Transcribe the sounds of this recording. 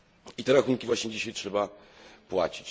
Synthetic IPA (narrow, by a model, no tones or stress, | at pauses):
it̪ɛɾaxuŋkʲivwaɕɲɛd͡ʑiɕajtʂɛbapwa̰t͡ɕi̥t͡ɕ